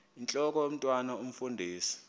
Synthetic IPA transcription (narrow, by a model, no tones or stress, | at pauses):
int͡ɬʼɔk̬ʼɔjom̩tʼwanaum̩fundʱiːsi̥